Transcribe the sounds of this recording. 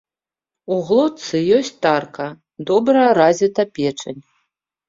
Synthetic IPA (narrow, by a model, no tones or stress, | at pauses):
uɣlˠɔtt̪sɨjɔsʲt͡sʲt̪arkɐ | d̪ɔbɾɐjɐɾazʲit̪ɐpʲɛt͡ʂɐnʲ